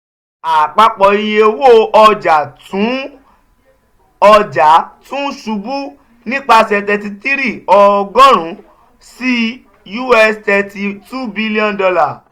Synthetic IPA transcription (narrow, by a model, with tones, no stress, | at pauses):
a˨k͡pa˧k͡pɔ˨i˧je˧wo˦˨ʔɔ˧d͡ʒa˨tũ˨˦ | ɔ˧d͡ʒa˨˦tũ˦ʃu˧˦bu˦ | nĩ˦k͡pa˧sɛ˧t̬ɛ˧ti˧ti˦ɾi˦˨ɔ˧ɡɔ̃˦ɾ̃ũ˨˦ | si˦ | ju˦ɛ˧stɛ˧ti˨tu˦bi˦li˦ɔ̃˦˨dɔ˧la˨